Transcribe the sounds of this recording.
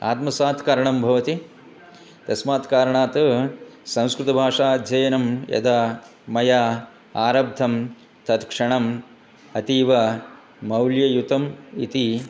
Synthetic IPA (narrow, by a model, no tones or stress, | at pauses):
a̰ːt̪mɐsaːt̪kaːɾɐɳɐmbʱɐʋɐt̪i | t̪ɐsmaːt̪kaːɾɐɳaːt̪ɐsɐ̃w̃skɾut̪ɐbʱaːʂaːd͡ʒɐjɐnɐmjɐ̰d̪amɐjaː | aːɾɐb̚d̪ʱɐm | t̪ɐt̪kʂɐɳɐm | ɐt̪iːʋɐ | mɐwljɐjut̪ɐmḭt̪i